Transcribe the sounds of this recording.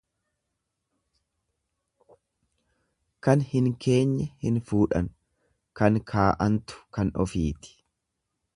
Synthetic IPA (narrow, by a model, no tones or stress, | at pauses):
kɐnhɪŋkʰe̞ːɲːɛhɪnfuːᶑɐn | kɐŋkʰaːʔɐnt̪ʊ̥kɐnɔ̰fiːt̪ɪ̥